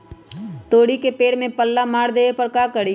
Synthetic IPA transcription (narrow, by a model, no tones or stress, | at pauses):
t̪oːɽikepeːɽmẽpəlːamaːɽd̪eːepɐɾkaːkəɽi